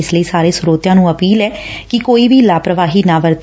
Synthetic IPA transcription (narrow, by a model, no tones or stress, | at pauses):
ɪsləiːsaːɾeːsʊɾoːt̪jãːnũːəpiːlɛːkɪkoːiːbʱiːlaːpɾəʋaːɦiːnãːʋəɾt̪